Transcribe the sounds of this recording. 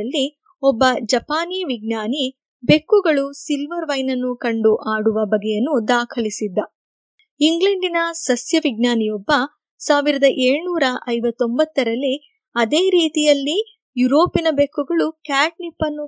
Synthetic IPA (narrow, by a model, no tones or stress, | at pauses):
ɐlːi | ɔbːɐd͡ʒɐpaːniːʋiɡ̚naːni | be̞kːuɡɐɭusilʋɐɾʋɐjnɐnːukɐɳɖuʔaːɽuʋɐbɐɡɛjɐnːud̪aːkʰɐlisid̪ːɐ | iŋɡleɳɖinɐsɐsjɐʋiɡnaːnijɔbːɐ | saːʋiɾɐd̪ɐʔeːɭnuːɾɐʔɐjʋɐt̪ːombɐt̪ːɐɾɐlːi | ɐd̪e̞ːɾiːt̪ijɐlːi | juɾo̞ːpinɐbe̞kːuɡɐɭukaːʈ̚nipːɐnːu